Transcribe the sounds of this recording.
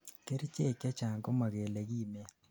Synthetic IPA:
ke˦ɾt͡ʃe˦˨kja˦t͡ʃa˨ŋɡɔ˦ma˨ɣe˨le˨ɣiː˦m˦a˦

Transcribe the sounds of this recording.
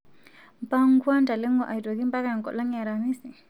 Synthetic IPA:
m˨pa˦ŋ˦kwa˦nta˨lɛ˦ŋɡɔ˦ʔa˨i˨tɔ˨ki˦mba˦ka˨ŋ˨kɔ̰˨la˦ŋa˨ɾa˨mi˦si˨

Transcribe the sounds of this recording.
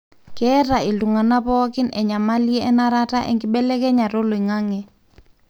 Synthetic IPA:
kɛ˦ɾa˨i˨lu˨ŋa˨na˦pɔ˦kɪ˦nɛ˨ɲa˨ma˦li˦ɛ˦ɛ˦na˦ɾa˦ta˦ʔɛ̰˨ŋɡɪ˦ɓɛ˦lɛ˦kɛ˦ɲa˨ɾo˦lo˨i˨ŋa˦ŋɛ˨

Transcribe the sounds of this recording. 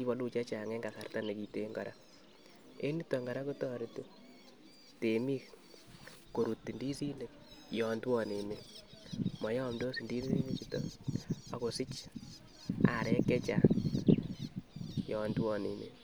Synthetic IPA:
ki˦βɔ˦lu˦t͡ʃa˦t͡ʃa˨ŋe˦ŋɡa˨sa˨rta˦ne˨ki˨te˦ŋɡɔ̰ɾa̰˦ | ḛ˦ni˦tɔ˨ŋɡa˨ɾa˦ku˦tɔ˦ɾi˨to˦ | te˨mi˦k | ko˨ɾu˨tːi˨ndi˦si˦ne˨k | jɔ˨ndwɔ˦ne˨me˨ | mɔ˨jɔ˦mdo˦si˨ndi˦ssi˦ne˨t͡ʃi˨tɔ̰a˨ko˨sɪ˦t͡ʃ | a̰˨ɾɛ˦kɛ˦t͡ʃa̰ | jɔ˨ndwɔ˦nḛ˨mḛ˨

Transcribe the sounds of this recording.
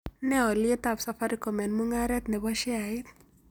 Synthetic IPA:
nɛ˦ɔ˨lɪ˦e˦t̪a˨psa˨fa˦ɾi˦kɔ˨mɛ˨nmu˦ŋaɾɛ˦t̪nɛ˨ba˦ʃɪ˦a˨ɪ˦t̪̚

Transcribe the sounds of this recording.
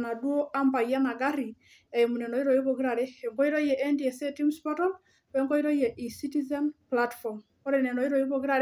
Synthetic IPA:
na˨dwo˦a˦mba˨i˨a˦na˨ɡa˦ɾi˨ | ɛ˨i˨mu˨nɛ˨nɔ˨i˦ɾɔ˨i˦βo˨ɡi˦ɾa˨ɾe˦ɛ˨ŋɡɔ˦i˦ɾo˦jɛ˨ʔɛ˦ndi˨e˨se˦ti˦mspɔ˦tɔ˦l | wɛ˦ŋɡɔ˦i˦ɾɔ˦ijɛ˨ʔi˨si˦ti˦zɛ˦nplatfɔ˨m | ɔ˦ɾɛ˨nɛ˨nɔ˨i˦ɾo˨i˦βo˨ɡi˦ɾa˨ɾ

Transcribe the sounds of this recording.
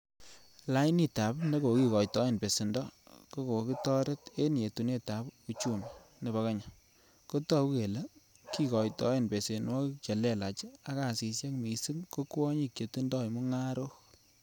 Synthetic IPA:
la˦ni˦ta˨pne˦ko˨ki˦kɔ˨jtɔ˨˦e˦npe˨si˨ndɔ˦ko˦ko˨ki˦tɔ˦ɾe˦te˦n˨e˨tu˨ne˦ta˨˦pu˨t͡ʃu˦˨nne˨βa˨ka˦ɲa˨ | ko˦tɔ˦pke˨la˦ | ki˦kɔ˨jtɔ̰˨˦e˦˨npe˨se˨nwɔ˦t͡ʃe˨le˦˨la˨t͡ʃa˦ka˦˨si˨sje˦kmi˨si˦ŋko˦kwɔ˦ɲi˦kt͡ʃe˨tu˦ndɔ˦jmu˦ŋa˦ɾo˦

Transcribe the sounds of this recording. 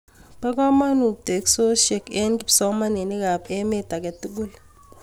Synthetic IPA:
pa˦k̬a˦ma˦nu˨t̪e˨kso˦ʃɛ˦˨kɛ˦nki˦psɔ˦ma˦ne˨ni˦ka˨pɛ˦me˦ta˨k̬e˨tu˦k̬u˦l

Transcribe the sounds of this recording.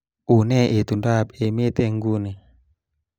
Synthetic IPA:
u˨nɛ˦˨ʔe˨t̪u˨nda˦˨pe˨me˦t̪e˦ŋɡu˦ni˨

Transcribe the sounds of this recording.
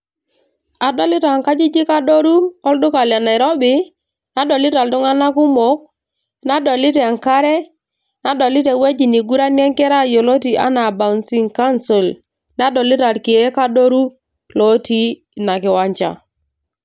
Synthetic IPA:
a˨dwa˦li˦ta˨ŋka˦d͡ʒi˦d͡ʒi˦ka˦do˦ɾu˦ɔ˦ldʊ˦ka˨lja˨na˨i˨ɾo˦bi˦ | na˦dɔ˨li˦ta˨ltʊ˦ŋa˦na˦ku˦mo˦k̚ | na˦dɔ˨li˦te˨a˨ŋka˦ɾɛ˦ | na˨˦dɔ˨li˦te˨we˦d͡ʒi˨ni˨ɡu˦ɾa˦njɛ˦ŋkɛ˦ɾa˦˨jo˨lo˦ti˨ʔa̰˦na˨ba˨nsi˦ŋka˦nsi˨l | na˦dɔ˨li˦ta˨tki˨e˦ka˦do˦ɾu˦ | lo˦ti˦ | na˨kɪ˨wa˦ɲt͡ʃa̰˨

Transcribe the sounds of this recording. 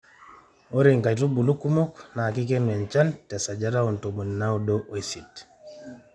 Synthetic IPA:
o˦ɾiŋka˨jtu˦bu˨lu˦kːu˦mo˦kna˨ki˦ke˦ne˨nt͡ʃa˦nte˨sa˨d͡ʒaɾa˦u˨nto˨mu˨nina˦wdoʔo˨sit

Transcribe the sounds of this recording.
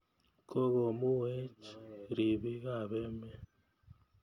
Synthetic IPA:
ko˦ɣo˨mu˦we˦t͡ʃɾi˨βi˦ɣa˨βe˦me˦

